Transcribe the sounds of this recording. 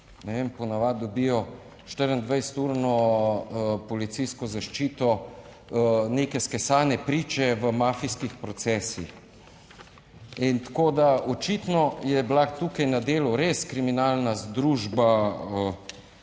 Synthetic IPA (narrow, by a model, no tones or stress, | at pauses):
nɛʋempɔnaʋad̪obijɔ | ʃt̪əɾənd̪ʋajsɛ̥t̪uːɾnɔ | pɔlit̪sijskɔzaʃt͡ʃiːt̪ɔ | nekɛskɛsaːnɛpɾiːt͡ʃɛʋəmaːfiskixpɾɔt̪sɛːsix | int̪akoːd̪aot͡ʃit̪nɔjɛblat̪ukajnad̪eːluɾeskɾiminaːlnazd̪ɾuʒbaə